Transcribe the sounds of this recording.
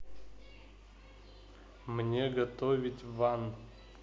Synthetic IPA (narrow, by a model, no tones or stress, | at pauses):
mnʲeɡɐt̪ovʲɪtʲvan